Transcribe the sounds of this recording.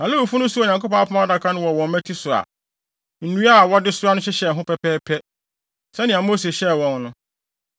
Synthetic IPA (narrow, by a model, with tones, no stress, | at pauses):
nã˨lo˦u˨fu˦nʊ̃˦su˦˨o˨ɲã˨ŋko˦pɔ̃˦a˦pʰʊ̃˦ã˦a˦da˨kʰã˦nʊ̃˦wɔ˨wɔ̃˨m˨˦mæ̃˦tʰi˦sʊ˨ɾa̰˨ | n̩˨nũ˦a˦˨wɔ˦dɪ˦sʊ˦ɾa˦nʊ̃˦ɕɛ˦ɕɛ˨ɦʊ̃˦pʰɛ˦pʰɛː˦pʰɛ˦ | sɛ˦nɪ̃˨a˨mo˦se˨ɕɛ˦˨wɔ̃˨nnʊ̃˦